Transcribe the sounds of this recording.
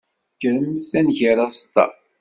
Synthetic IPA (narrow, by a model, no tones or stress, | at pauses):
kːəɾəmθænʝəɾast̪ːɑ̰